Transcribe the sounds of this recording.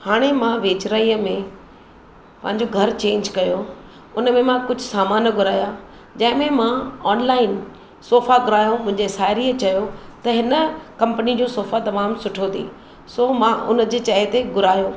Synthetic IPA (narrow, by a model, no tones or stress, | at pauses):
haːɽ̃emãʋeːt͡ɕɾaiːəmẽ | pɐ̃ɦɪ̃ɲ̆d͡ʑoɡʱɐɾt͡ɕẽːɲd͡ʑkɐjo | ʊnəmẽmãkʊd͡ʑʱʊsaːmaːnɡʱʊɾaːja | d͡ʑɐ̃ɦɪ̃mẽmãɔːnlaːɪn | soːfaɡʊɾaːjõmʊ̃ɦɪ̃ɲd͡ʑesaːɪɾiːət͡ɕɐjot̪ɐɦɪnəkɐ̃mpənid͡ʑoːsoːfat̪ɐmaːmsʊʈʰot̪ʰḭ̃ː | soːmãʔʊnəd͡ʑeːt͡ɕɐɦet̪eɡʱʊɾaːjoː